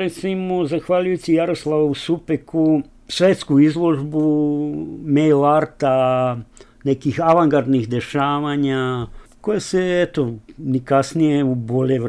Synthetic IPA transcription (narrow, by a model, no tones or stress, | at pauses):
ɾet̪simozaxʋaʎujut͡ɕijaɾo̞slˠaʋusupekʰu | sʋet̪skuizlˠo̞ʒbu | mejlaɾt̪a | nekixaʋaŋɡaɾd̪nixd̪e̞ʃaːʋaɲako̞jeseet̪o̞nikasnijeubo̞ʎeʋ